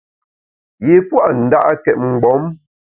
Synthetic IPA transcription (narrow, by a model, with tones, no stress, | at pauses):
je˨pwa˦ʔn̩˨da̰˦ʔa˦kɛ˨t̚ŋ͡m̩˨ɡ͡bɔ˨˦m